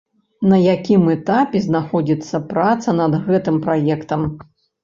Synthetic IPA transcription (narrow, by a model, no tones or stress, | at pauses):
nɐjakʲimɛt̪apʲɛznaxɔd͡zʲit̪sːɐpɾat̪sɐnɐd̪ɣɛt̪ɨmpɾajɛkt̪ɐm